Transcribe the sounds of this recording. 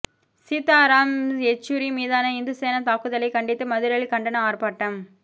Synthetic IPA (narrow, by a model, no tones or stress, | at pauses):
siːt̪ːaːɾaːmɛt͡ʃːuɾimiːðaːnɐɪnd̪ɯseːnɐt̪aːkɯðɐlɐɪkɐɳɖɪt̪ːɯmɐðɪɾɐɭkɐɳɖɐnɐaːrpaːʈːɐm